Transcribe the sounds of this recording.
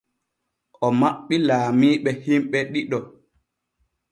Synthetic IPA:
ʔɔmaɓːilaːmiːɓɛhimɓɛɗiɗɔ

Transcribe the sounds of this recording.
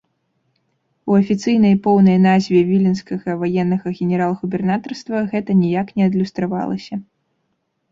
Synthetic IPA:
uɐfʲit̪sɨjnɐjpɔwnɐjnazʲvʲɛvʲilʲinskɐɣɐvajɛnːɐɣɐɣʲɛnʲɛɾalˠɣubʲɛrnat̪ɐrst̪vɐɣɛt̪ɐnʲijaknʲɛɐd̪lʲust̪ɾava̰lˠɐ̰sʲɐ

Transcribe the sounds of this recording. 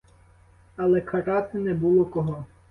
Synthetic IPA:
ɐlˠɛkʰɐɾɑt̪ɪnɛbulˠɔkɔɦɔ

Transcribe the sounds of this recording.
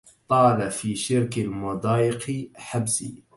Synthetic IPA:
t̪ˤɑːlafiːʃɪɾkalmʊd̪ˤɑːjɪqħabsḭː

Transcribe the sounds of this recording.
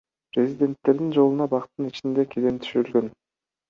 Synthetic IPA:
pɾʲezʲid̪ʲe̞nt̪ːe̞ɾd̪ind͡ʒo̞lˠunɑbɑqt̪ːɯnit͡ʃind̪e̞kʲʰed̪ent̪ʰy̥ʃyɾylɡø̞n

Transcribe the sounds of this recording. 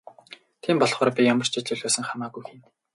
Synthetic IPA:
t̪ʰiːmpɔɮχɔːɾaːpʲijamə̆r̥t͡ɕʰit͡ɕɮʊ̆ɮaːsə̆ŋχamaːɣujxiːn

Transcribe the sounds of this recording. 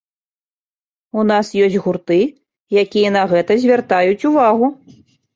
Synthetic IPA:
unasjɔsʲɣurt̪ɨ | jakʲijɐnɐɣɛt̪ɐzʲvʲart̪ajut͡sʲuvaɣu

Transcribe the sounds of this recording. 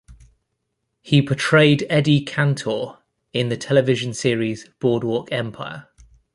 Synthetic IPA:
hipʰətʰɹ̥eɪdɛdikʰãntʰɔ | ɪ̃nðətʰɛlɪvɪʒə̃nsɪəɹizb̥ɔːdwɔˑkʰɛ̃mpʰaɪə

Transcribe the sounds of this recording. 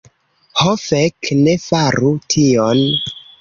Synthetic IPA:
hofekne̞faɾutʰion

